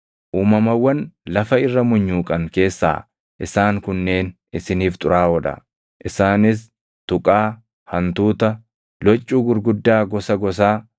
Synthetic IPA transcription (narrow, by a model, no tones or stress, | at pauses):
ʔuːmɐmɐwːɐnlɐfɐɪrːɐmʊɲːuːkʼɐŋke̞ːsːa̰ː | ʔɪsaːŋkʊnːe̞ːn | ɪsɪniːft̪ʼʊɾaːɔd̪ɐ̰ | ʔɪsaːnɪs̬ | t̪ʊkʼaː | hɐnt̪uːt̪ɐ | lɔt͡ʃʼːuːɡʊɾɡʊd̪ːaːɡɔsɐɡɔs̬aː